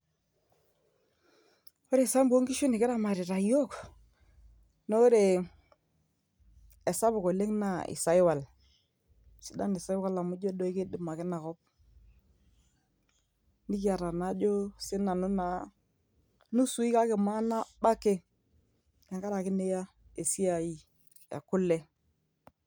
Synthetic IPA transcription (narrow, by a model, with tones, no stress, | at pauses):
o˦ɾe˨sa˦mbo˦ŋɡi˦ʃu˦nɪ˨kɪ˦ɾa˦˨ma˨ɾɪ˨ɾa˨jo˦˨k | no˦ɾe˨ | ɛ˨sa˦bʊ˨ko˨le˦ŋna˨ɪ̰˨sa˦ɪ˦wa˨l | sɪ˦da˦nɪ˨sa˦ɪ˦wa˦la˨mʊ˦d͡ʒo˦dɔ˦i˦ke˦dɪ˨ma˨kɪ˦na˨kɔ˦p̚ | ni˦ki˦a˨ɾa˨na˦d͡ʒo˦sɪ˦na˨nu˦na˨ | nu˦su˨˦i˦ka˦kɪ˨ma˦na˦ba˦ke˦ | ke˨ŋɡa˦ɾa˨kɪ˦ne˦ja˦ | e˨si˦a˨i˨˦ | ḛ˨kʊ˦le˦